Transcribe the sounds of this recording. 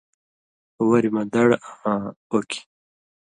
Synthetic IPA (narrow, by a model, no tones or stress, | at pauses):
wɐɾimɐd̪ɐɽaãokʰi̥